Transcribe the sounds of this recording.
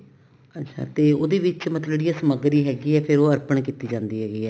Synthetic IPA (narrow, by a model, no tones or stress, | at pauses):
ətːʃʰa̰ːt̪eːoːd̪eːʋɪt͡ʃmət̪ləd͡ʒeːɽiːjãːsəməɡɾiːɦɛːɡiːɛːpʰɪɾoːəɾpəɳkiːt̪iːd͡ʒãːnd̪iːɦɛːɡiːɛː